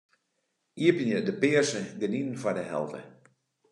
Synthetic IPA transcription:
iəpənjədəpɪərsəɡəninən̩fɔdəɦɛ̰lˠdə̰

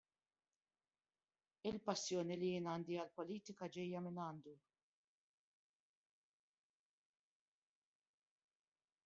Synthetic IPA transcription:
ɪlpɐsːjɔːnilijɪːnɐːnd̪iɐlpɔliːt̪ɪkɐd͡ʒɛjːɐmɪnɐːnd̪u

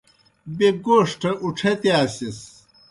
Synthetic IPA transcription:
beɡoːʂʈʰɐʔuʈ͡ʂʰet̪eaːsis

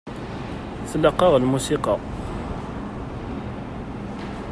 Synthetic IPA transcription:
θələqːɑʁlmusiqɑ

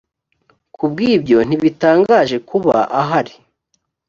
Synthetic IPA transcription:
kub̚ɡiːbɟo̞n̥iβitaːŋɡaːʒe̞kuβa̰ʔaɦaɾi

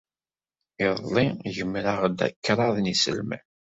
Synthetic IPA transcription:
iðˤliʝəmːɾaʁd̪æ̰kːɾˤɑðˤnisə̰lmæ̰

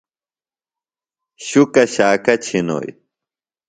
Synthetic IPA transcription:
ɕukɐɕaːkɐt͡ɕʰino̰ːj

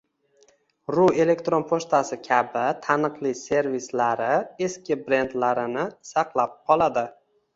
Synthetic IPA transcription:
ɾue̞le̞kt̪ɾo̞npʰoʃt̪asɪkʲʰabɪt̪ʰanɨqlˠise̞ɾvislaɾɪe̞skʲɪbɾe̞nd̪laɾɪnɪsɑqlˠap̚qʰɒlˠad̪ɪ

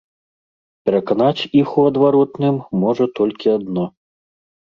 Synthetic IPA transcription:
pʲɛɾɐkanat͡sʲixuɐd̪vaɾɔt̪nɨmːɔʐɐt̪ɔlʲkʲiad̪nɔ

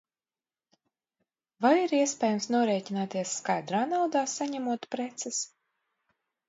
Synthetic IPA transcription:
vajiɾiɛspʲɛːjɛmsnuɔɾɛːcinaːt̪iɛsːkajd̪ɾaːnawd̪aːsaɲæmuɔt̪pɾɛt̪sɛs

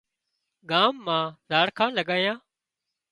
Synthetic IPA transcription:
ɡaːmːãːzaːɽkʰãːləɠaːjãː

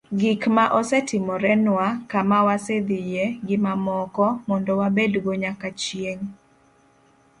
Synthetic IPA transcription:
ɡɪkmaʔɔsɛtɪmɔɾɛnwakamawased̪ijeɡɪmamɔkɔmɔndɔwabedɡoɲakat͡ʃieŋ

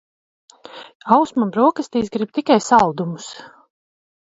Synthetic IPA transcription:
awsmambɾuɔkast̪iːsɡɾib̚t̪ikajsalˠd̪umus

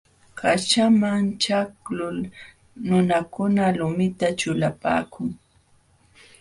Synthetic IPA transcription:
kʰat͡ʃamaŋt͡ʃaklʊl | nʊnakʊnalʊmɪt̪at͡ʃʊlapa̰ːkʊŋ

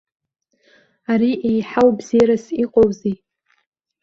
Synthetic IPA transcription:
aɾiʔejħawbzijɾasiqʼowzi

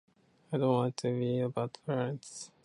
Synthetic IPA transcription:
aɪdõʊ̃ntwɑ̃ntʰɨɹiəbaʊtpʰɛɹɨ̃nts

